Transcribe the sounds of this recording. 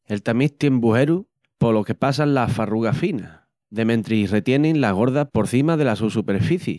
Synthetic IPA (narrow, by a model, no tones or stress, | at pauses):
e̞lt̪amit̪jembuɦe̞ɾu | polo̞ke̞pas̬anlasfaruɣafina | ðe̞mẽ̞nt̪ɾiire̞t̪je̞nẽŋnlaɣ̞o̞ɾðahpo̞ɾθimaðe̞lasusupe̞ɾfiθjḭ